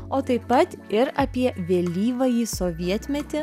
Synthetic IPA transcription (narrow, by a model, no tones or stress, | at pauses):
oːt̪ɐɪpːɐt̪ɪɾɐpʲiɛʋʲeːlʲiːʋɐjiːsoːʋʲiɛt̪ʲmʲɛt̪ʲɪ